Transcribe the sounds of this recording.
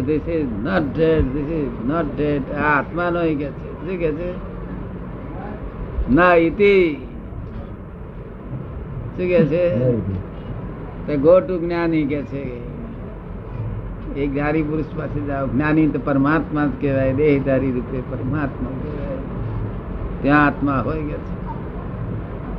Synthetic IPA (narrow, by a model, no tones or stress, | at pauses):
t̪esinəʈɖeʈt̪esinəʈ̚ɖeʈat̪manoiket͡ʃʰɛikɛt͡ʃʰɛ | nəit̪i | t͡ʃʰikɛt͡ʃʰɛ | t̪eɡʱoʈuɡʱnjaniket͡ʃʰɛ | eɡnanibuɾuspat͡ʃʰed͡ʒaoɡnjanit̪əpəɾəmat̪mat̪keɾajd̪eɦid̪əɾiɾupepəɾəmat̪makeɾae | t̪jãːt̪maɦojɡet͡ʃʰɛ̥